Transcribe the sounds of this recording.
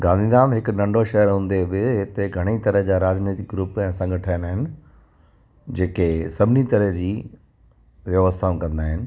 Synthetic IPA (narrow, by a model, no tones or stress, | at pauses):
ɡãːnd̪ʱidaːmɦɪkʊnɐ̃ɳɖʱoʃɐɦəɾɦũːnd̪ebɪɦɪt̪eɡʱɐɽ̃it̪ɐɾəɦd͡ʑaːɾaːd͡ʑneːt̪ɪkɡɾʊpɛ̃ːsɐ̃ŋɡəʈʰaːɪnaːɦɪnɪ̆ | d͡ʑeːkesɐbʱɪnit̪ɐɾəɦd͡ʑiː | ʋjɐʋəst̪ʰaːũkɐ̃nd̪aːɦɪnɪ̆